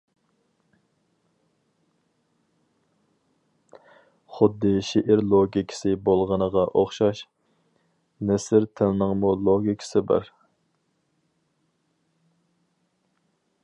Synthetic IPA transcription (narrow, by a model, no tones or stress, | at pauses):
χʊd̪ːɨʃeʔɪɾlˠoɡʲikʲʰɪ̥sɪbolˠʁənəʁɑʔoχʃɑʃ | nɛsɪɾt̪ʰɪlnɨŋmulˠoɡʲikʲʰɪ̥sɪbɑ̰ɾ